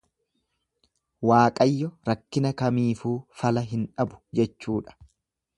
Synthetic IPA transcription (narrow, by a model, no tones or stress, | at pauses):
waːkʼɐjːɔɾɐkːɪnɐkɐmiːfuːfɐlɐɦɪnᶑɐbʊ̥d͡ʒɛt͡ʃːuːᶑɐ̥